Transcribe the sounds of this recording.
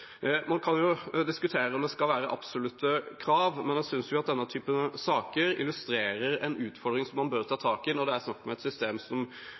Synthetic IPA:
mɑnkʰɑnjʊd̪ɪskʉt̪ʰeːɾəɔmd̪ɛskɑlʋæːɾəʔɑ̰psʊlʉt̪ːəkʰɾɑːʋmɛnjæsʏnsjʊɑt̪̚d̪ɛnːət̪ʰyːpəsɑːkəɾɪlʉst̪ɾeːɾəɾɛ̰nʉːt̪fɔɾd̪ɾɪŋsɔmːɑnbøːɾt̪ʰɑːt̪ʰɑːkɪnɔd̪ɛæɾsnɑkːmɛɛt̪sʏst̪eːmsɔm

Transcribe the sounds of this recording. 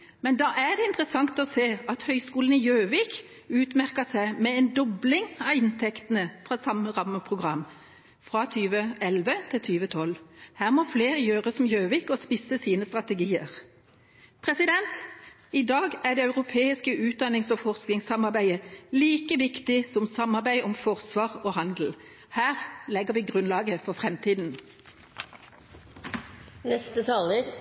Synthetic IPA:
mɛnd̪ɑːʔæd̪ɛɪnt̪ʁəsɑŋt̪ɔseːɑt̪hœʏskuːln̩ɪjøːʋiːk | ʉːt̪mæʁkəsæɪmɛɛnd̪ɔblɪŋɑɪnt̪ʰɛkt̪ənəfʁɑsɑməʁɑmːəpʰʁʊɡʁɑmː | fʁɑt̪ʰyːʋəɛlʋət̪ʰɪlt̪ʰyːʋət̪ʰɔlhæːʁmɔfleːʁəjøːʁəsɔmjøːʋiːkɔspɪsəsiːnəst̪ʁɑt̪ɛɡiːəʁ | pʰʁɛsɪd̪ɛnt̪ | ɪd̪ɑːɡæʁɖ̪ɛɑʉʁʊpʰeːɪskəʔʉːt̪̚d̪ɑnɪŋsɔfɔʁsknɪŋsɑmɑʁbæɪəliːkəʋɪkt̪ɪsɔmsɑmɑʁbæɪʔɔmfɔʁsʋɑːʁoːhɑnd̪l̩ | hæːʁlɛɡəʁʋiːɡʁʉnlɑːɡəfɔʁfʁɛmt̪ʰiːd̪n̩ | nɛst̪ət̪ʰɑːləɾ

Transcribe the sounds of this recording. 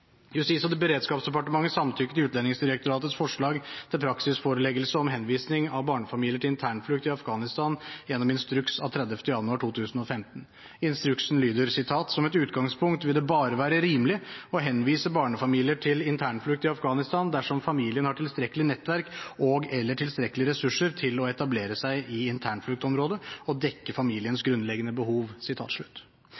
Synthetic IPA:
jʉst̪ɪsɔd̪ɛbəɾeːd̪skɑːpsd̪ɛpɑʈəmɑŋːəsɑmt̪ʰʏkːət̪ɪʉːt̪lɛnːɪŋsd̪ɪɾəkt̪ʊɾɑːt̪ət̪sfɔʂɭɑːɡt̪ʰɪlpʰɾɑksɪsfoːɾəlɛɡəlsəɔmɦɛnʋiːsnɪŋɑʋbɑːɳəfɑmiːlɪəʈʰɪlɪnt̪ʰæːɳflʉk̚t̪ɪɑfɡɑːnɪst̪ɑnjɛnːɔmɪnst̪ɾʉksɑ̰ʋt̪ʰɾɛd̪əft̪əjɑnʉɑːʈʰuːt̪ʰʉːsn̩ɔfɛmt̪n | ɪnst̪ɾʉksn̩lyːd̪əɾsɪt̪ʰɑːt̪sɔmɛt̪ʉːt̪ɡɑŋspʰʊŋkt̪ʋɪld̪ɛbɑːɾəʋæːɾəɾiːməlɪɔɦɛnːʋiːsəbɑːɳəfɑmiːlɪəʈʰɪlɪnt̪ʰæːɳflʉk̚t̪ɪɑfɡɑːnɪst̪ɑnd̪æʂɔmfɑmiːlɪənhɑʈʰɪlst̪ɾɛkːəlɪnɛt̪ːʋæɾkʔɔɡɛlːəʈʰɪlst̪ɾɛkːəlɪɾɛsʉʂːəɾt̪ʰɪlɔɛt̪ɑbleːɾəsæɪʔɪɪnt̪ʰæːɳflʉk̚t̪ɔmɾoːd̪əɔd̪ɛkːəfɑmiːlɪənsɡɾʉnlɛɡənəbəhuːʋsɪt̪ʰɑ̰ːt̪ʂɭʉ̥t̪ː

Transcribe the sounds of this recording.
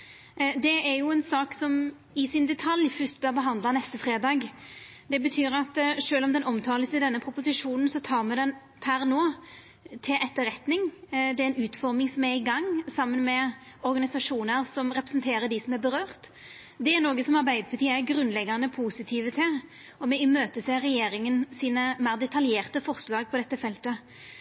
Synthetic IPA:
d̪ɛæɾjʊɛnsɑːksɔm | ɪsɪnd̪ɛt̪ʰɑljfʏst̪bøʁbəɦɑnd̪lɑnɛst̪əfɾeːd̪ɑːɡ | d̪ɛbət̪ʰyːɾɑt̪ʂøːlɔmd̪ɛnɔmt̪ʰɑːləsəɪd̪ɛnːəpʰɾʊpʊsɪʂuːnən̩sɔt̪ʰɑːɾmɛd̪ɛn | pʰæɾnoː | t̪ʰɪlʔɛt̪ːəɾɛt̪nɪŋd̪ɛæɾɛnʉːt̪fɔʁmɪŋsɔmæɾɪɡɑŋːsɑmːənmɛ | ɔɾɡɑnɪsɑʂuːnəɾsɔmɾɛpɾəsənt̪ʰeːɾəɖ̪ɪsɔmæɾbəɾøːʁt̪ | d̪ɛæɾnoːɡəsɔmɑɾbæɪd̪əpʰɑt̪iːəæɾɡɾʉnlɛɡːɑnəpʰuːsɪt̪ʰiːʋət̪ʰɪl | ɔmɛɪmøːt̪əseːɾɛjeːɾɪŋənsiːnəmæːɾd̪ɛt̪ʰɑljeːʁt̪əfɔʁslɑːɡ̚pʰɔd̪ɛt̪ːəfɛlt̪ə

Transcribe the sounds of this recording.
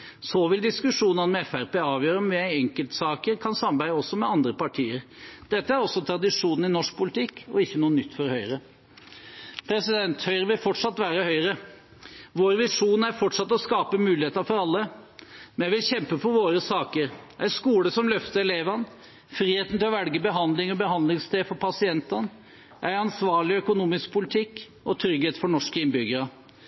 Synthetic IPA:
sɔʋɪld̪ɪskʉʂuːnənəmɛɛfæɾpeːɑːʋjøːɾəɔmʋɪæɪnɛŋkəlt̪sɑːkəɾkʰɑnsɑmɑɾbæɪəɔsːɔmɛɑnd̪ɾəpɑʈʰiːəɾd̪̥ɛt̪ːəæɾɔsːɔt̪ʰɾɑd̪ɪʂuːnn̩ɪnɔʂk̚pʰʊlɪt̪ʰɪkːɔ̰ɪçːənuːənʏt̪ːfɔɾhœʏɾə | pʰɾɛsɪd̪ɛnt̪hœʏɾəʋɪlfɔʈʂɑt̪ːʋæːɾəhœʏɾə | ʋoːɾʋɪʂuːnæɾfɔʈʂɑt̪ːɔskɑːpəmʉːlɪheːt̪əɾfɔɾɑlːəmɛnjæɪʋɪlçɛmpəfɔɾʋoːɾəsɑːkəɾʔæɪskuːləsɔmlœft̪əɾɛleːʋɑn | fɾiːheːt̪n̩t̪ɪlɔʋɛlɡəbəɦɑnd̪lɪŋɔbəhɑnd̪lɪŋst̪eːfɔɾpʰɑsɪɛnt̪ɑn | ʔæɪɑnsʋɑːɭɪœkʊnuːmɪsk̚pʰʊlɪt̪ʰɪkː | ɔt̪ʰɾʏɡheːt̪fɔɳɔʂkəɪnbʏɡəɾɑ

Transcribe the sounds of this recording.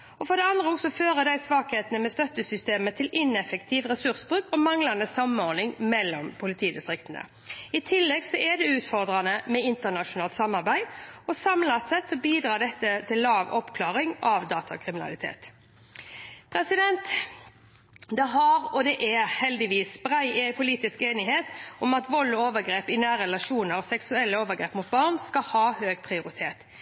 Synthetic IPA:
ɔfɔd̪ɛɑnd̪ʁəɔksɔføːɾəd̪æɪsʋɑːkheːt̪ənəmɛst̪œt̪ːəsʏst̪eːmət̪ʰɪlɪnɛfɛkt̪ʰiːʋʁɛsʉɾsbʁʉːkɔmɑŋlɑnd̪əsɑmnɔnɪŋmɛlːɔmpʰʊlɪt̪ʰiːd̪ɪst̪ɾɪkt̪ənə̰ | ɪt̪ʰɪlːɛɡsɔʔɛd̪ɛʉːt̪fɔʁd̪ɾɑnəmɛɪnt̪ənɑʂʊnɑːlt̪sɑmːɑʁbæɪɔsɑmlɑt̪sɛt̪sɔbiːd̪ɾɑːɖ̪ɛt̪ːət̪ʰɪlːɑːʋɔpkʰlɑːʁɪŋɑʋd̪ɑːt̪ʰɑkʰɾɪmɪnɑ̰lɪt̪ʰḛːt̪ | pʰɾɛsɪd̪ɛnt̪ | d̪ɛɦɑɾɔd̪ɛʔɛhɛld̪ɪʋiːsbɾæɪɛpʰʊliːt̪ɪskeːnɪɦeːt̪ɔmɑt̪ʋɔlːɔoːʋəɾɡɾeːpɪnæːɾɛlɑʂuːnəɾɔsɛksʉɛlːəoːʋəʁɡɾeːpmʊt̪̚bɑʁnskɑhɑːhøːɡpʰɾɪʊɾɪt̪ʰeːt̪

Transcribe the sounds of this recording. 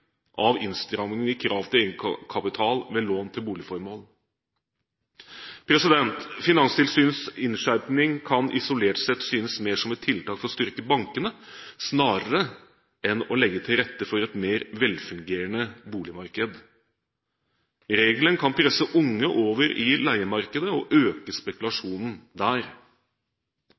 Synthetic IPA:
ʔɑʋɪ̰nst̪ɾɑmnɪŋɪkʰɾɑːʋt̪ʰɪleːɡəkʰɑpɪt̪ʰɑːlʋeːloːnt̪ʰɪlbuːlɪfɔɾmoːl | pʰɾɛsɪd̪ɛnt̪fɪnɑnst̪ʰɪlsyːnsɪnʂæɾpnɪŋkʰɑnʔɪ̰sʊleːʈsɛt̪syːnəsmeːʂɔmɛt̪ʰːɪlt̪ɑːkfɔɾɔst̪ʏɾkəbɑŋkənəsnɑːɾəɾə | ɛnɔlɛɡːət̪ʰɪlɾɛt̪ːəfɔɾɛt̪meːɾʋɛlfʉŋɡeːɾəɳəbuːlɪmɑɾkəd̪ | ɾeːɡlənkʰɑnpʰɾɛsəʔʊŋːəʔoːʋəɾʔɪlæɪəmɑɾkəd̪əɔʔøːkəspɛkʉlɑʂuːnn̩d̪æːɾ

